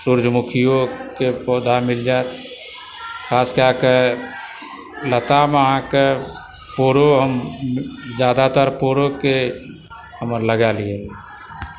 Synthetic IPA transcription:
sʊɾd͡ʒʱmʊkʰijokepoːd̪ʱamɪld͡ʒaet̪ | kʰaːskeãke | lət̪ameəɦãke | poːɾoɦəm | d͡ʒjaːd̪at̪əɾpoɾoke | ɦəməɾləɡalie

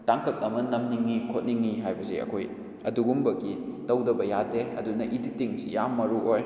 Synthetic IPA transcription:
taŋkɐk̚ɐmɐnɐmniŋːikʰot̚niŋːiɦajbɐsḭɐ̰kʰoj | ɐduɡumbɐɡitɐwdɐbɐjadeɐ̰dunɐʔiditiŋsḭjamːɐɾuʔoj

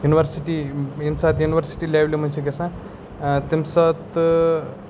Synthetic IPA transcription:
juniʋəɾsiʈiimsat̪juniʋəɾsi̥ʈilablim̤ə̃nt͡ʃʰeɡ̬esã | t̪imsat̪

